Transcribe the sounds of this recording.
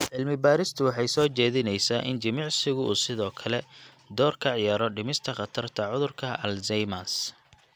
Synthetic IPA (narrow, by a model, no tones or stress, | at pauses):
ʕɪlmɪbaːɾɪst̪ʰʊwɑħɑjsɔːt͡ʃɛːðɪnɛjsaːʔɪnd͡ʒɐmɑʕsɪɣʊṵːsɪðɔːkʰɐlɛ | d̪ɔːrkʰɐʕɪjaːɾɔɖɪmɪst̪ʰɐχɑt̪ʰɐrt̪ʰɐʕʊðʊrkʰɐɐlzɛjmas